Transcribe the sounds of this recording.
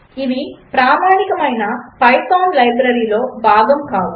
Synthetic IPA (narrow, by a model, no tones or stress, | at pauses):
iʋipɾaːmaːnikɐmɐjnɐpɐjsaːnlɐjbɾɐɾiːlo̞ːbaːɡɐmkaːwu